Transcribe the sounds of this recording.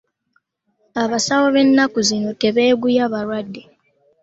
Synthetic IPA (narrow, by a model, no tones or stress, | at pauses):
aβasawoβe̞nːakuzino̞te̞βeːɡujaβaɾwadːe